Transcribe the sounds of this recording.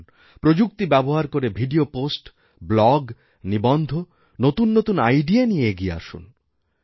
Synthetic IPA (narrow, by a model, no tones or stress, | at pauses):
pɾod͡ʑuk̚t̪ibɛboɦaɾkoɾebʱiɖioposʈ | blɔɡ | nibɔnd̪ʱo | not̪unːot̪unajɖienieeɡiea̰ʃṵn